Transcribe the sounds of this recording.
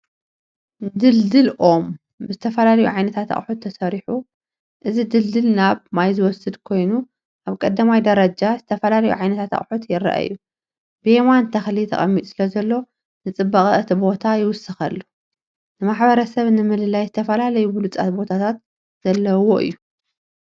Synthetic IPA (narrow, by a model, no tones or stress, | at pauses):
d̪ɨld̪ɨlʔo̞m | bɨzɨt̪ʰɐfɐlalɐjuʕajnɐt̪ʰat̪ʰa̰χʼħut̪ʰːɐsɐɾiħu | ʔɨzid̪ɨld̪ɨlnaβmajzɨwɔsɨd̪kʰo̞jnu | ʔaβkʼɐd̪ːɐmajd̪ɐɾɐd͡ʒazɨt̪ʰɐfɐlalɐjṵʕajnɐt̪ʰat̪a̰χʼħut̪jɪɾɐ̰ʔa̰ɨjːu | b̥ɨʔemant̪ʰɐxlit̪ʰɐ̰χʼɐ̰mːit̪ʼu̥sɨlɐzɐlːo̞ | nɨt͡sʼɨbːɐχʼɨt̪ʰibo̞t̪ʰajɪwʊsɨxɐlːu | nɨmaħbɐɾɐsɐβnɨmɨlɨlajzɨt̪ʰɐfɐlalɐjubɨlut͡sʼa̰t̪̚bo̞t̪ʰat̪ʰat̪ | z̥ɐlːɐwo̞ʔɨ̰jːu